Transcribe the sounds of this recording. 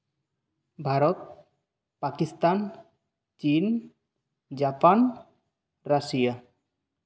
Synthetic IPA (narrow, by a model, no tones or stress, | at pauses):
bʱaɾɔt̪̚ | pakist̪an | t͡ʃin | d͡ʒapan | ɾasija